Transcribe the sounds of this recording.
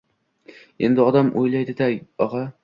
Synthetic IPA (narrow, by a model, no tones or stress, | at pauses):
e̞̰nd̪ɪɒd̪amʔojlajd̪ɪd̪aɒʁɑ